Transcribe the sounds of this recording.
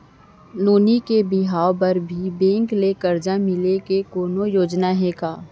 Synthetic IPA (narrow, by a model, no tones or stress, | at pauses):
noːnikebɪɦaːobɐɾbʱibẽːŋklekɐɾd͡ʒamɪlekekoːnojoːd͡ʒnaɦɛːkaː